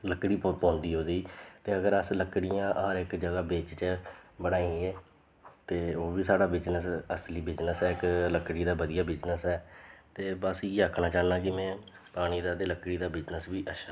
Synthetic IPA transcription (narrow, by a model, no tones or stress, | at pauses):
ləkːɽiːpɔ̃ːnd̪iːɦoːd̪iːt̪eːəɡəɾəsləkɽɪjãːʔɦəɾɪkd͡ʒəɡaːbeːt͡ʃt͡ʃbəɽaːiːɛː | t̪eːoːʋiːsaːɽaːbɪd͡ʒnəsəsliːbɪd͡ʒnəsɛːɪkləkɽiːd̪aːbəd̪ijaːbɪd͡ʒnəsɛːt̪eːbəsiːəkʰnaːt͡ʃaːnãːkɪmɛ̃ː | paːɽ̃iːd̪aːt̪eːləkɽiːd̪aːbɪd͡ʒnəsbiːʔəʃ